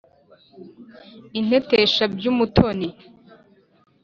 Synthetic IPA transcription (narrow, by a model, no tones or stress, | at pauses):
in̥e̞teʃabjumutʰoni